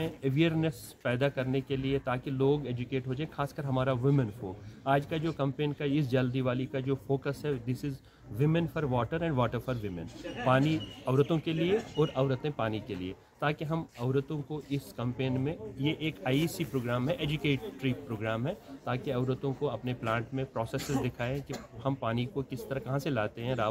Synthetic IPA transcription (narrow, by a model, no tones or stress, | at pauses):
ẽeʋiːəɾnes | pɛːd̪akɐɾnekeliet̪aːkiloːɡeːd͡ʒʊkeːʈɦoːd͡ʒaːẽxaːskəɾɦɐmaːɾaʋɪmə̃nfoːkaːd͡ʒkad͡ʒoːkɐ̃mpẽːnkaɪs̬d͡ʒɐld̪iʋaːlikad͡ʒoːfoːkəsɦɛd̪ɪsɪz | ʋɪmɛ̃nfʰɔɾʋɔːʈəɾɛ̃ɳɖʋɔːʈəɾfɔɾʋɪmɛ̰̃npaːniɐʊɾət̪õkelieɔːɾɐʋɾət̪ẽpaːnikelie | t̪aːkeɦɐmɐʊɾət̪õkoʔɪskɐ̃mpeːnmẽjeʔeːkaːiisipɾoːɡɾaːmɦɛʔeːd͡ʒʊkeːʈːɾiːpɾoːɡɾaːmɦɛt̪aːkeɐʋɾət̪õkoɐpneplãːɳʈmẽpɾɔːseːsɪzd̪ɪkʰaːẽkihɐmpaːnikokɪst̪ɐɾɐkɐɦãselaːt̪eɦɛ̃ɾaː